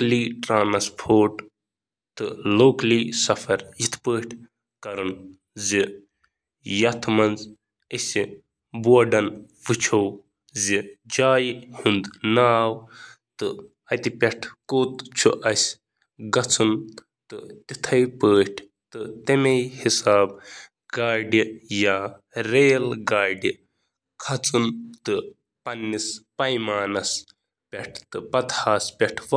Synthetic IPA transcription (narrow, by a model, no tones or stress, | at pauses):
liːʈɾaːnɐspʰoːɾʈ | t̪ɨloːkɐliːsɐfʰɐɾjit̪ʰpəːʈʰʲ | kɐɾɨn | zi | jɐt̪ʰmɐnz | ɐsi | buɐɖɐn | ʋɨt͡ʃʰɐw | zid͡ʒaːjhund̪naaːwt̪ɨ | ɐt̪ipʲeʈʰkoːt̪t͡ʃʰuʔɐsʲ | ɡɐt͡sʰɨn | t̪ɨt̪it̪ʰɐjpəːʈʰ | t̪ɨt̪ɐmejhisaːb̚ | ɡaːɖijaː | ɾeːlɡaːɖi | kʰɐt͡sɨnt̪ɨ | pɐnːispɐjmaːnɐs | pʲeʈʰt̪ɨpɐt̪haːspʲeʈʰʋ